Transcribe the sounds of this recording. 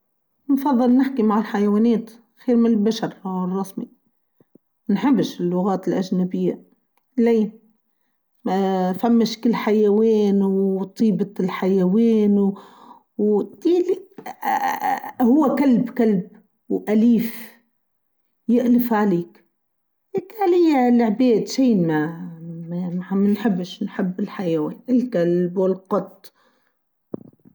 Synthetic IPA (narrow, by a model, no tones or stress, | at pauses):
nfɑðˤːɨlnɪħkimaʕɪlħajawaːneːt̪ | xeːɾmɪnɪlbaʃɑɾˤwrˤːɑsmi | nħɪbːɪʃɪlːʊɣaːt̪ɪlʔaʒnabɪjːa | lej | mafamːɪʃkɪlːħajaweːnwt̪ˤiːbɑlħajaweːnw | wt̪iːli | hʊwːakalbkalb | wʔaliːf | jɪʔlɪfʕaleːk | hekalijalʕbeːd̪ʃiːnmamamamanħɪbːɪʃnħɪbːɪlħajaweːnʔɪlkalbwɪlqɑt̪ˤː